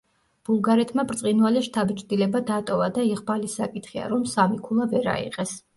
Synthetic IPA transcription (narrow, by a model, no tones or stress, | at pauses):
b̥ulˠɡaɾɛt̪ʰmapʼɾt̪sʼinvalɛʃt̪ʰabt͡ʃʼd̪ilɛbad̪at̪ʼɔvad̪aiʁbalisakʼit̪χia̰ɾɔmsamikʰulˠavɛɾa̰ḭqʼɛs